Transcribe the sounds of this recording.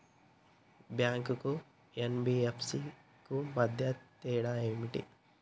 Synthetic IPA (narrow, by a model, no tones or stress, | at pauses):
bjaːŋkuku | enbiepʰsi | kumɐd̪ʱjɐt̪eːɽaemiʈḭ